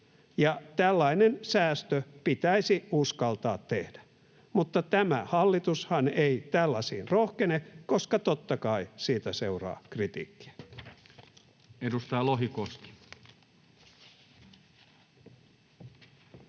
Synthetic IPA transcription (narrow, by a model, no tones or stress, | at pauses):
jɑt̪ælːɑinensæːst̪øpit̪æisiuskɑlt̪ɑːt̪tːehd̥æ̥ | mut̪ːɑt̪æmæ̰hɑlːit̪ushɑneit̪ælːɑsiːnrohkenekoskɑt̪ot̪ːɑkɑisiːt̪æseurɑ̰ːkrit̪ḭːkːi̥æ̥ | edust̪ɑjɑloɦikost̪i̥